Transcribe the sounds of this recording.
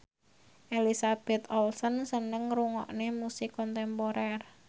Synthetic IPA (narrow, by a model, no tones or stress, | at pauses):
ʔelisab̥ɛt̪ɔlsɔnsənəŋruŋɔ̰ʔnemusɪkɔnt̪ɛmpoɾɛr